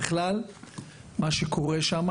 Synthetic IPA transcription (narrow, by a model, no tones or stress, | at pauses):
χlal | maʃeko̞ʁeʃam